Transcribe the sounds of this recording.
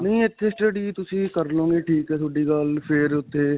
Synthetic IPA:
nĩːɪt̪ʰːeːsʈəɖiːt̪ʊsĩːkəɾlõːŋɡeːʈʰiːkɛːt̪ʰoːɖiːɡəlpʰɪɾʊt̪ʰːeː

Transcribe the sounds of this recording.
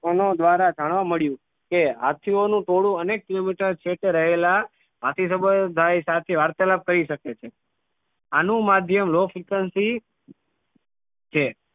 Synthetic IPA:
ənod̪ʋaɾad͡ʒaɽ̃ʋaməɭjũ | keɦa̰t̪ʰionũʈoɽũənek̚ʈ̪ɾibiʈəɾt͡ʃʰeʈ̪eɾəɦela | ɦat̪ʰis̬əbəd̪ʱajsat̪ʰeʋaɾt̪ələb̚kəɾiʃəket͡ʃʰe | anũmad̪ʱjəmlofɾikənsi | t͡ʃʰe

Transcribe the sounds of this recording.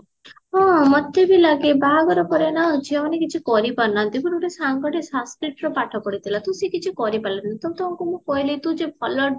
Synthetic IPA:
ɦɔ̃mɔt̪ebilaɡebaɦaɡɔɾɔkɔɾenat͡ʃʰiɔnekit͡ʃʰikɔɾipaɾnant̪ipũuʈesaŋɡɔɽesaskɾiʈɾɔpaʈʰɔkɔɽit̪ʰilat̪ũsikit͡ʃʰikɔɾipalãt̪it̪ɔmt̪ɔ̃ŋkumũkɔɦilit̪ũd͡ʒebʱɔlɔ

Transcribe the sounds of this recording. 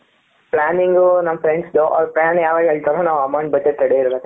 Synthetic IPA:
plaːniŋɡunɐmːɐpʰɾeɳɖsd̪oʔɔ̰ːɾpɾaːanjaːʋaːɡeːɭt̪ɐɾonaːʋɐmɐwɳʈbɐd͡ʒeʈ̪ːɐɽeiɾbet̪ːe

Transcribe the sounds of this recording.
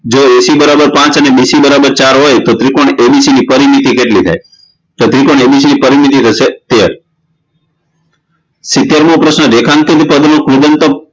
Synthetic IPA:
d͡ʒoesibəɾabəɾpãt͡ʃənebisibəɾabəɾt͡ʃaɾɦojt̪ot̪ɾikoɳebisinipəɾimit̪ikeʈlit̪ʰa̰j | t̪ot̪ɾikoɳebis̬inipəɾimit̪̬it̪ʰəʃet̪eɾ | sɪt̪jeɾmopɾəʃnəɾekʰãŋɡ̚t̪ʰet̪ipəd̪nokɾud̪ənt̪o

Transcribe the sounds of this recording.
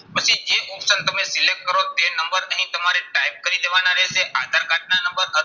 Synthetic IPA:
pəsid͡ʒeʔɔpsənt̪əmesilek̚ʈ̚kəɾot̪enəmbəɾəɦĩt̪əmaɾeʈaip̚kəɾid̪eʋanaɾɛʃeʔad̪ʱaɾkaʈ̚nanəmbəɾɦə

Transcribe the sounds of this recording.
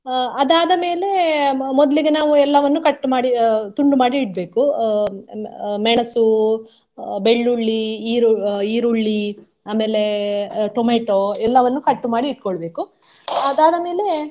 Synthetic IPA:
ɐd̪aːd̪ɐme̞ːle̞mɔd̪ɐliɡenaːʋuɛlːɐʋɐnːukɐʈːumaːɽit̪uɳɖumaːɽiːɽ̚be̞ːku | mɛɳɐsu | beɭːuɭːiiːɾuiːɾuɭːi | aːme̞ːle̞ʈomeːʈoːɛlːɐʋɐnːukɐʈːumaːɽiːʈ̚ːkoɭɐbe̞ːku | ɐd̪aːd̪ɐme̞ːle̞

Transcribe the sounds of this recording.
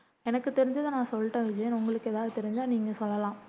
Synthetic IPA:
ɛnɐkːɯt̪ɛɾɪɲd͡ʒɐðɯnãːsɔlːʈːɐ̃ːʋɪd͡ʒɐjɐnʊŋɡɐɭɯkːɛðaːðɯt̪ɛɾɪɲd͡ʒaːniːŋɡɐsɔlːɐlãː

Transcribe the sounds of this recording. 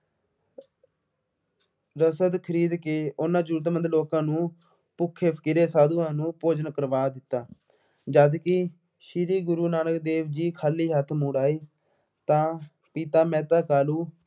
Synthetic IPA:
ɾəsəd̪kʰəɾiːd̪keːʊnãːd͡ʒuːɾt̪̬mənd̪loːkãːnũː | pʊkʰːeːpʰəkɪɾeːsaːd̪uːãːnũːpoːd͡ʒənkəɾʋaːd̪ɪt̪ːaː | d͡ʒəːd̪kɪ | ʃiːɾiːɡʊɾuːnaːnəkd̪eːʋd͡ʒiːkʰaːliːɦət̪ʰmuːɽaːiː | t̪ãː | pit̪aːmɛ̃ːt̪aːkaːluː

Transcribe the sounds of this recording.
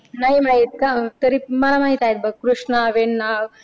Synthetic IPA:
naɦiməɭit̪̚kat̪əɾiməlamaɦit̪ajt̪̚bəɡ̚kɾuʂɳaʋeɳːaʋ

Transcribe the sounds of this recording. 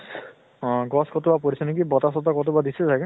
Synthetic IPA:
s | ɡɔskɔt̪ubapɔɾisʰɔnekibɔt̪asɔt̪ɔkɔt̪̬ubad̪isezake

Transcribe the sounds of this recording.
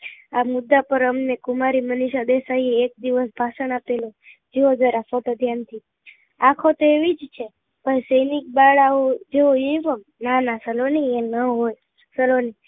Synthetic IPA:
amʊd̪ːapəɾəmnekumaɾiməniʃad̪esaieːk̚d̪iʋəsbʱasəɳapelo | d͡ʒeod̪əɾafɔt̪əd̪ʱjant̪ʰi | akʰot̪oeʋid͡ʒt͡ʃʰe | pəjsəjnik̚baɭaod͡ʒeoĩʋəm | nanasəlonienəɦoj | səloni

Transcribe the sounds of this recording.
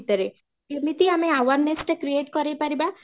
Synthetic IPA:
t̪əɾe | mit̪iameaʋaɾnesʈkɾieʈkɔɾejpaɾiba

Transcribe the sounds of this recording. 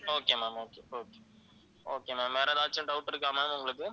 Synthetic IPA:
oːkeːmaːmoːkeːoːkeː | oːkeːmeːmːeːɾɐd̪aːt͡ʃːɐɳɖɐʊʈːɪɾɯk̬ːaːmaːmʊŋɡɐɭɯkːɯ

